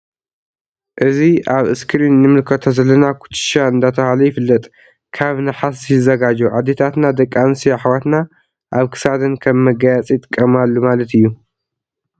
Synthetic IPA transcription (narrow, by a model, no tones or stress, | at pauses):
ʔɨziaβɨskʰɨɾinːɨmɨlkʰɐt̪ʰozɐlːɐnakʰu̥t͡ʃ̪ʰɨ̥ʃaɨnd̪at̪ʰɐhalɐjɪfɨlːɐt̪ʼ | kʰaβnɨħasiɨzɐɡad͡ʒuʕad̪et̪ʰat̪nad̪ɐkʼːansiaħwat̪na | ʔaβkʰɨ̥sad̪ɐnkʰɐmːɐɡajat͡sʼit̪ʼɨkʼːɐmalːumalɐt̪ʰɨjːu